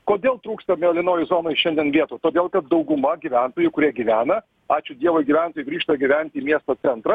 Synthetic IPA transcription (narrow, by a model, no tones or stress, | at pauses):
koːd̪ʲeːlˠt̪ɾuːkst̪ɐmʲeːlʲɪnoːjʊzoːnoːɪʃʲɛnʲd̪ʲiɛnʋʲiɛt̪uːt̪oːd̪ʲeːlˠkɐt̪̚d̪ɐʊɡʊmɐɡʲiʋʲænt̪oːjʊkʊɾʲiɛɡʲiʋʲæːnɐ | ɑːt͡ʃʲʊd̪ʲiɛʋɐɪɡʲɪʋʲæˑnt̪oːjɪɡɾʲiːʃt̪ɐɡʲiʋʲænʲt̪ʲiːmʲiɛst̪oːt͡s̪ʲɛnt̪ɾɐ